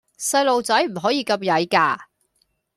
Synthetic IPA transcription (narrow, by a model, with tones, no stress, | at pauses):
sɐ˧jlo˨wt͡sɐ˨˥jm̩˨˩ɦɔː˨˥jiː˨˧kɐ˧p̚jɐ˨˥jkaː˧